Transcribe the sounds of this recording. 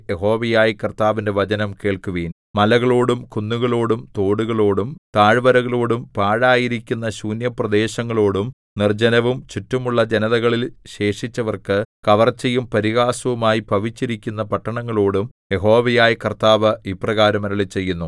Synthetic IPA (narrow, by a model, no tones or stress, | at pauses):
jeɦo̞ːʋɐjaːjikɐrt̪aːʋinde̞ʋɐd͡ʑɐnɐmke̞ːɭkuʋiːn | mɐlɐɣɐɭoːɽumkunːuɣɐɭo̞ːɽumt̪o̞ːɽuɣɐɭo̞ːɽumt̪aːɻʋɐɾɐɣɐɭoːɽumpaːɻaːjiɾikʲːunːɐɕuːnjɐprɐd̪e̞ːɕɐŋːɐɭo̞ːɽum | nird͡ʑɐnɐʋumt͡ɕutːumuɭːɐd͡ʑenɐðɐɣɐɭilɕe̞ːʂit͡ɕːɐʋɐrkɨkɐʋɐrt͡ɕːɐjumpɐɾiɣaːsɐʋumaːjipɐʋit͡ɕːiɾikʲːunːɐpɐʈːɐɳɐŋːɐɭo̞ːɽum | je̞ɦo̞ːʋɐjaːjikɐrt̪aːʋɐiprɐɣaːɾɐmɐɾɐɭit͡ɕːe̞jːunːu